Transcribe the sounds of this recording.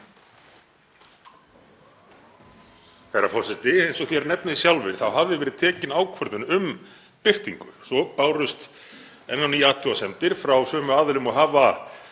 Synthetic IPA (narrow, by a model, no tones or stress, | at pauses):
kʰejɾafɔrsɛt̪ɪejnsɔɣθjɛɾnɛpnɪisjawlvɪɾ̥θawɦavðɪvɛːɾɪðt̪ʰɛːcɪnaːwkʰvœɾðʏnʏm | pɪft̪iŋkʏ̰sɔpaːwɾʏst̪ | ɛnːanijːaːht̪ʰːʏasɛmt̪ɪɾ̥fɾawsœːmʏaːðɪlʏmɔɣɦaːva